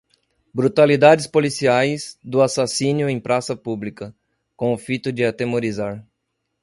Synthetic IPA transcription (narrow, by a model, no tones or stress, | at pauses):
bɾut̪alid̪ad͡ʒɪspolisiajzd̪ʊasasĩnjʊẽj̃pɾʔasɐpublikɐ | kõʊfit̪ʊd͡ʒɪat̪emoɾizaɾ